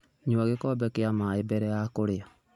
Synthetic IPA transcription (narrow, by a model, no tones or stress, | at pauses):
ɲuaɣekɔbɛkeamaebɛɾɛjakoɾea